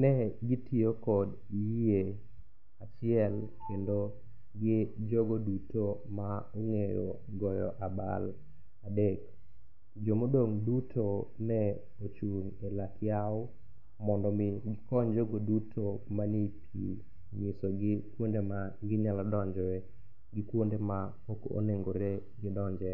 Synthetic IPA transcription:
nɛɡɪtʰiokɔd | ie | at͡ʃɪɛl | kendo | ɡɪd͡ʒoɡodutomaoŋejo̰ | ɡɔjɔ̰ʔaba̰l | adek | d͡ʒomodoŋdutʰonɛ | ot͡ʃuŋelakɪjaʊ | mɔndɔmɪɡɪkɔɲd͡ʒoɡodutʰo | manipʰḭ | mɪsoɡɪkwondema | ɡɪɲaladɔɲd͡ʒɔɛ | ɡɪkwondema | oko̰neŋɡoɾe | ɡɪdɔɲd͡ʒɛ

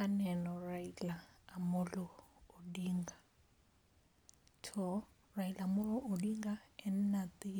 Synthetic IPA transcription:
anɛnɔrailaːmʊlɔːdiːŋɡa | tʰɔ | railamʊlɔʔodiŋɡaɛn̩nat̪ʼi

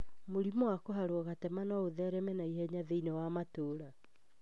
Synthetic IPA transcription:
moɾimɔwakoɦaɾwɔɣatɛmanɔoðɛɾɛmɛnaihɛɲaðeinɛwamatoːɾa

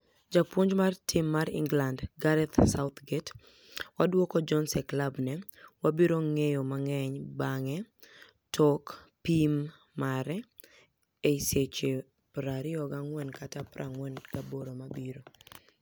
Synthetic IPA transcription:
d͡ʒapwoɲd͡ʒmartʰɪmːaɾɪ̰ŋɡlandɡaɾɛt̪saʊt̪ɡet | wadwɔkɔd͡ʒɔnsɛklabnɛwabiɾoŋejomaŋɛɲbaŋɛ | tʰɔkpimː | aɾɛ | eiset͡ʃe | pɾaɾɪɔɡaŋwɛnkatapɾʔa̰ŋwɛnɡaboɾomabiɾo

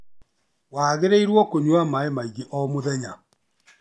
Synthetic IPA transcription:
waːɣeɾeiɾwɔkoɲwamaemaiɣeʔɔmoðɛɲa

